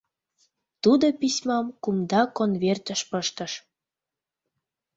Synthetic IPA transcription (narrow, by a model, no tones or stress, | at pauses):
t̪ud̪opisʲmɑmkumd̪ɑkonvert̪əʃpəʃt̪ə̆ʃ